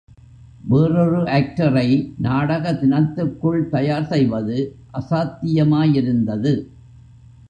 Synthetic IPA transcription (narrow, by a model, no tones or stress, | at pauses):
ʋeːrɯɾɯʔaːk̚ʈɐɾɐɪnaːɽɐɣɐt̪ɪnɐt̪ːɯkːɯɭt̪ɐjaːɾsɛjʋɐðɯʔɐsaːt̪ːɪjɐmaːjɪɾɯnd̪ɐðɯ